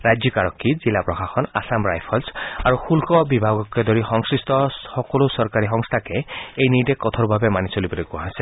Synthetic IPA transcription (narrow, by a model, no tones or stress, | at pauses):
ɾad͡ʒjɔkaɾɔkʰːizilapɾɔxaxɔna̰samɾa̰jpʰɔlsaɾuxulkɔbibʱaɡɔked̪ɔɾixɔŋsɹist̪ɔxɔkɔlusɔɾkaɾiɦɔŋst̪ʰakeejnidekːɔt̪ʰɔɾubʱabemanisɔlibɔɾekuɦase